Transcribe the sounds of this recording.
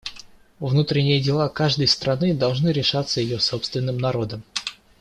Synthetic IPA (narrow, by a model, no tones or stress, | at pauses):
vnut̪ɾʲɪnʲɪjədʲɪlˠakaʐd̪əjst̪ɾɐnɨd̪ɐlˠʐnɨɾʲɪʂat̪səjɪjo̞so̞pst̪vʲɪnːɨmnɐɾo̞d̪əm